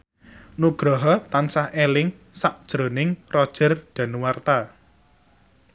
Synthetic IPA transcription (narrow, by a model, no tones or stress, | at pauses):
nuɡ̥ɾɔɦɔt̪ansahelɪŋsaʔd̥ʒ̥ɾo̤nɪŋrɔd̥ʒ̥ə̤rɖ̪̥a̤nuwart̪a